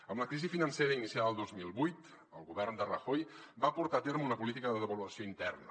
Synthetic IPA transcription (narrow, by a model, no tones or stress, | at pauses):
əmləkɾizifinənseɾəinisiaðəlˠd̪ozmilˠβujt̪ | əlˠɣuβɛrnd̪ərəxojbapuɾt̪aət̪eɾmunəpulit̪̬ikəðəðəβəluəsioint̪ɛrnə̰